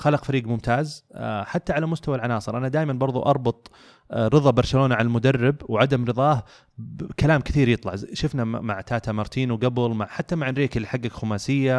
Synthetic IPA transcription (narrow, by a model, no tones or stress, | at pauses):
xalɑqfaɾiːɡmʊmt̪ʰaːzħat̪ːaʕalamʊst̪awalʕanɑːsˤɨɾʔanad̪aːjmanbɑɾˤðˤṵʔɑɾˤbʊt̪ˤ | ɾɨðˤɑbɑɾˤʃaloːnaʕalalmʊd̪arːɪbwʕad̪amɾɨðˤɑːh | kalaːmkɪθiːɾjɨt̪ˤlɑʕʃʊfnamaʕt̪aːt̪amɑɾˤt̪ʰiːnuwɡabɪlmaʕħat̪ːamaʕɪnɾeːkɪlːiħaɡːakxʊmaːsɪjːa